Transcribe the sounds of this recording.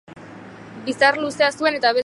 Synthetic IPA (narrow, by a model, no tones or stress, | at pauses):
bisarluse̞asue̞ne̞t̪aβe̞